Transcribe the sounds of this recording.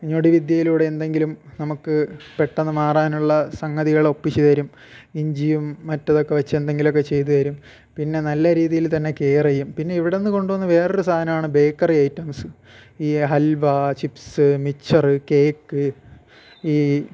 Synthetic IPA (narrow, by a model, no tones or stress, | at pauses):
ɲoɽiʋid̪jɐjiluːɽeːnd̪e̞ŋɡilumnɐmukːɨpe̞ʈːɐnːɨmaːraːnuɭːɐsɐŋɡɐðiɣɐɭo̞pːit͡ɕːiðɐɾum | iɲd͡ʑijumːɐtːɐðo̞kːe̞ʋɐt͡ɕːend̪e̞ŋɡilo̞k̬ːet͡ɕe̞jt̪̬uðɐɾum | pinːe̞nɐlːɐɾiːðijilt̪ɐnːe̞keːrɐjːumpinːe̞iʋiɽe̞nːɨko̞ɳɖuʋɐnːɐʋe̞ːroɾusaːɐnɐmaːɳɨbe̞ːkːɐriɐjtːɐmsɨ | iːɦɐlʋɐt͡ɕipsɨmit͡ɕʰːɐrɨke̞ːkːɨ | iː